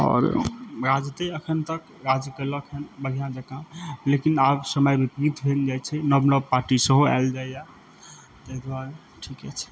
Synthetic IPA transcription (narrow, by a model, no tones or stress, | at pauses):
ɔ̰ɾɾad͡ʒt̪eəkʰənt̪ək | ɾad͡ʒkələkʰənbəɦijãd͡ʒəkãlekinabsəməjbipɾit̪ʰbʱeld͡ʒajt͡ʃʰɛnəbnəpaɾʈisə̃ɦoa̰ld͡ʒajja | t̪eɦd̪waɾe | ʈʰikɛt͡ʃʰɛ̥